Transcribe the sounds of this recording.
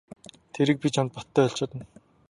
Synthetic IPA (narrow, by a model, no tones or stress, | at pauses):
t̪ʰeɾɘ̆k̚pit͡ɕʰamt̪̚pɔt̪ːæːɔɬt͡ɕɔːt̪ə̆n